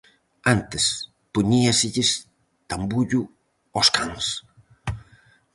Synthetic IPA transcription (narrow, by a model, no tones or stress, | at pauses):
ant̪es | puɲiasiʎes | t̪ambuʎu | ɔskaŋs